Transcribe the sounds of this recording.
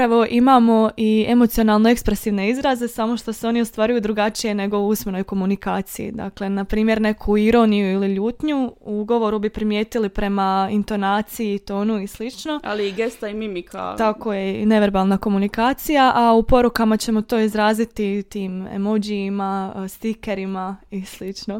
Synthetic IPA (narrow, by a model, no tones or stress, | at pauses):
ɾaʋo̞ʔimaːmo̞ʔie̞mo̞t̪sio̞naːlˠno̞e̞kspɾe̞siːʋne̞izɾaze̞samo̞ʃt̪oseo̞niost̪ʋaːɾujud̪ɾuɡat͡ʃije̞ne̞ɡo̞usme̞no̞jko̞munikaːt̪sijḭd̪a̰kle̞napɾiːmje̞ɾne̞kʰuiɾo̞nijuiliʎuːt̪ɲuuuɡo̞ʋo̞ɾubipɾimje̞ːt̪ilipɾe̞maint̪o̞naːt̪sijiːt̪o̞ːnuislit͡ʃno̞ʔa̰liiɡe̞st̪aimimikʰa̰t̪ako̞ːjene̞ʋe̞ɾbaːlˠnako̞munikaːt̪sijaʔaupo̞ɾukamat͡ɕe̞mot̪o̞ːizɾaːzit̪it̪iːmḛmod͡ʑiimast̪ike̞ɾimaislit͡ʃno̞